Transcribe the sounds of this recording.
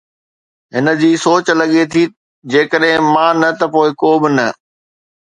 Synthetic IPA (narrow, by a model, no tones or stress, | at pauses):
ɦɪnə̆d͡ʑiːsoːt͡ɕlɐɠet̪ʰi | d͡ʑeːkəɗɦɪ̃mãːnɐt̪ɐpoːɪkoːbɪnɐ